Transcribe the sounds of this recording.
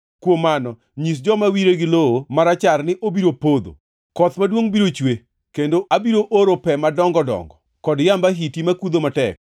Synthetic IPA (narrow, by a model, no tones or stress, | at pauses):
kwomːanɔ | ɲis̬d͡ʒɔmawiɾeɡɪloomaɾat͡ʃarnɪʔobiɾopod̪o̰ | kɔt̪madwoŋbiɾot͡ʃwe | kendoʔabiɾoʔoɾopɛmadɔŋɡɔdɔ̰ŋɡɔ | kɔdjambaɦitimakud̪omatɛ̰k̚